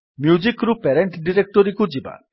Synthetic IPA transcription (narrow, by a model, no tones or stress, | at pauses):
mjud͡ʒikɾupeɾeɳʈɖiɾek̚ʈɔɾikud͡ʒiba̰